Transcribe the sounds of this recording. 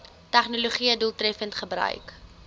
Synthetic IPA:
tæχnoloχiəduːlˠtrɛfəntχəbrœ̰ɥk

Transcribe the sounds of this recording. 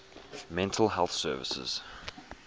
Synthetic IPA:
mɛ̃ntʰəlˠɦɛlˠθsɜːvɪsɪ̰z̥

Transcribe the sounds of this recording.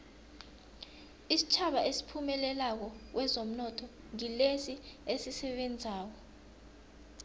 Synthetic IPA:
isi̥t͡ʃʰaɓaʔesi̥pʰumɛlɛlak̬ɔk̬wʔɛzom̩nɔtʰɔ | ŋilesiesisɛɓend͡zʱaːk̬ɔ

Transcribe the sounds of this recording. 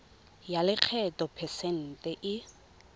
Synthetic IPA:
jalɪq͡χʰɛtʼɔpʰɛsɛn̩tʼɛʔɪ

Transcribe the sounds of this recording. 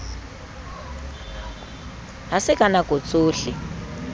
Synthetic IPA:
ɦasɪkʼanakʼot͡sʼoːɬi

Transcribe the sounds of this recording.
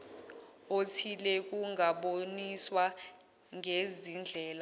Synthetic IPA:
otʰilɛk̬ʼuŋʱaɓoniswa | ŋʱezind͡ɮʱɛːla

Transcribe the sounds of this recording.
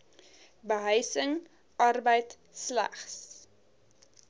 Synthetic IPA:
bəɦəjsəŋ | ʔɐrbəjt | slæ̰χs

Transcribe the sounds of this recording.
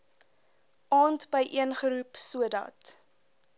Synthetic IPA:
ʔɑːntbəjʔiənχəɾupsuədɐ̰t

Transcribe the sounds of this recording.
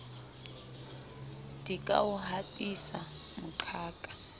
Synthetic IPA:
dikʼa̰wuɦapʼisa | muǃʰaːkʼḁ

